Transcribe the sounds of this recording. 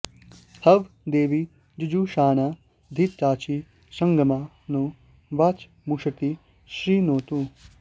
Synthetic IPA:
hɐʋd̪eːʋi | d͡ʒud͡ʒuʃaːnaː | d̪ʱit̪t͡ʃaːt͡ʃi | sɐŋɡɐmaː | no | ʋaːt͡ʃ | muʂɐt̪i | ʃɾiːnoːt̪u

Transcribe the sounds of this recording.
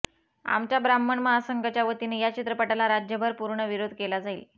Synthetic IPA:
a̰mt͡ɕjabɾamːəɳməɦasəŋɡat͡ɕjaʋət̪inejat͡ɕit̪ɾəpəʈalaɾad͡ʑjəbʱəɾpuɾɳəʋiɾod̪ʱkelad͡zaiːl

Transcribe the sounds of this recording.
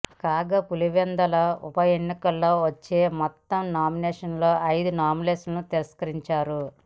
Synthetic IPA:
kaːɡɐpuliʋɛnd̪ɐlɐupɐjenːikɐlːo̞ːʋɐt͡ʃːeːmɔt̪ːɐmnaːminɛːʂɐnlo̞ːʔɐjd̪unaːmileslɐnut̪iɾɐskɐɾiɲt͡ʃaːɾu

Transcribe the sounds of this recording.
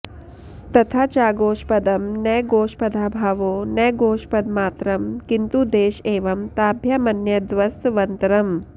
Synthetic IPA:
t̪ɐt̪ʰaːt͡ʃaːɡoːʃpɐd̪ɐmnɐjɡoːʃpɐd̪ʱaːbʱaːʋoːnɐjɡoːʃpɐd̪maːt̪ɾɐmkint̪ud̪eːʃeːʋɐmt̪aːbʱjɐmɐnjɐd̪ʋɐst̪ʋɐnt̪ɐɾɐm

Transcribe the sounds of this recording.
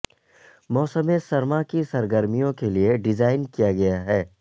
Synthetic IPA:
mɔːsəmẽsɐɾmakisɐɾɡəɾmijõkelieɖɪzaːɪnkijaɡɐjaɦɛː

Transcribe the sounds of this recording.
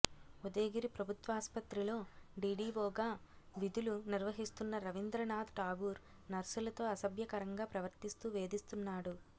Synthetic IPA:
ud̪eːɡiɾipɾɐbʱut̪ʋaːspɐt̪ɾilo̞ːɖiːɖiːʋoːɡaː | ʋid̪uluniɾʋɐɦist̪unːɐɾɐʋind̪ɾɐnaːd̪ʈaːɡuːɾ | nɐɾsulɐt̪o̞ːɐsɐbjɐkɐɾɐŋɡaːpɾɐʋɐɾt̪ist̪uʋe̞ːd̪ist̪unːaːɽu

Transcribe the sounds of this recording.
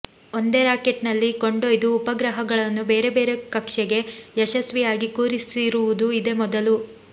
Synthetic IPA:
o̞nd̪eɾaːke̞ʈnɐlːiko̞ɳɖojd̪uːpɐɡɾɐɦɐɡɐɭɐnːube̞ːɾe̞be̞ːɾe̞kɐkʂɛɡe̞jɛʃɐsʋijaːɡikuːɾisiɾuʋud̪uid̪e̞mɔd̪ɐlu

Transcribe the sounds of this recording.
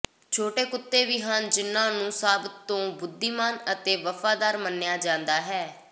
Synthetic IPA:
t͡ʃʰoːʈeːkʊt̪ːeːʋiːɦand͡ʒɪnːãːnũːsaːb̪õːbʊd̪ːiːmaːnət̪eːʋəfʰaːd̪aːɾmənːɪjaːd͡ʒãːnd̪aːɦɛː

